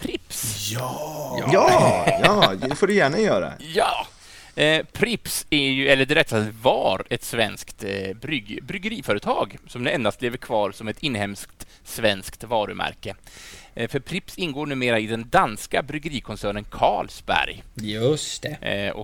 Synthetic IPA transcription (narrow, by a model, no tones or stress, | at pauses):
pʰɾɪpsjɑ | ɑjːd̪ɛfoːɖɵjæːɳajœːɾa̰jɑː | pʰɾɪpsæjɵɛlːəɖɛɾɛt̪savɑːɾɛt̪svɛnskt̪bɾʏɡbɾʏɡəɾiːfœːɾət̪ʰɑːɡsɔmd̪ɛɛnd̪ast̪leːvəɾkʰvɑːɾsɔmɛt̪ɪnːhɛmskt̪ | svɛnskt̪vɑːɾɵmʔæ̰ɾkə | fœɾpʰɾɪpsɪnːɡoːɳʉ̟ːmeːɾaɪd̪ɛnd̪anskabɾʏɡəɾiːkʰɔnsæːɳənkʰɑːlsbæ̰ɾjjɵst̪ɛɔ̰